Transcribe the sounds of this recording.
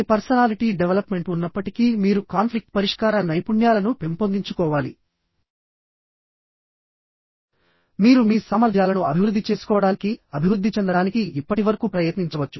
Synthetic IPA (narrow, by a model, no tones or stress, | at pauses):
pɐɾsɐnaːliʈiːɖeʋelɐpme̞ɳʈunːɐpːɐʈikiːmiːɾukaːnpʰlik̚ʈpɐɾiʂkaːɾɐnɐjpuɳjaːlɐnupe̞mpo̞nd̪iɲt͡ʃukɔːʋaːlḭ | miːɾumiːsɐmɐɾd̪ʱjaːlɐnuɐbʱiʋɾud̪ːit͡ʃe̞ːsu̥kɔːʋɐɽaːnikiɐbʱiʋɾud̪ʱːit͡ʃɛnd̪ɐɽaːnikiipːɐʈiʋɐɾɐkuːpɾɐjɐt̪niɲt͡ʃɐʋɐt͡ʃːu